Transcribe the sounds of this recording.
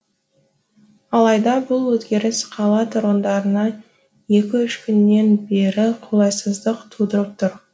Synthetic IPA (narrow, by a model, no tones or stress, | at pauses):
ɑlˠɑjd̪ɑbʊlˠwɵzɡʲe̞ɾɪsqʰɑlˠɑt̪ʰɾo̞nd̪ɑɾənɑ | je̞kʲɪʏʃkʲʰʏnːe̞nbe̞ɾɪqʰolˠɑjsəzd̪əqt̪ʰud̪əɾəp̚t̪ʰʊɾ